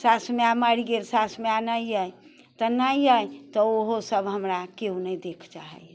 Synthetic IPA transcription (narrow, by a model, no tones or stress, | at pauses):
sasmeamaɽiɡeɾsasmeanajəj | t̪ɔnajəjt̪ɔoɦosəbɦəmɾakeũnəjd̪ekʰd͡ʒaɦɛ̰